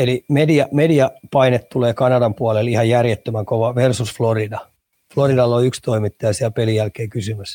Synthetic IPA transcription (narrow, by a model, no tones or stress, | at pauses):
elimediɑmediɑpɑinet̪t̪uleːkɑnɑdɑmpuɑlelihɑjjærjet̪ːømæŋkoʋɑʋersusfloridɑ | floridɑlːoykst̪oimit̪ːɑjɑsiælpelijælkeːkysymæs